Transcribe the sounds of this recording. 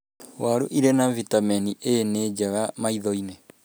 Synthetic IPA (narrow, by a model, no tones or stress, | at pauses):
waɾoʔiɾenavitamɛniʔeneːd͡ʒaɣamaiðɔine